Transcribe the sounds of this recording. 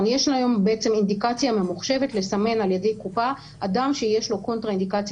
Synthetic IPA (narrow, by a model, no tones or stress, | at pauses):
njeʃlajo̞mbeet͡se̞mind̪ikat͡sjame̞muχʃe̞vetle̞same̞nalje̞de̞jkupa | ʔadamʃe̞je̞ʃlo̞ko̞nt̪ʁaind̪ikat͡s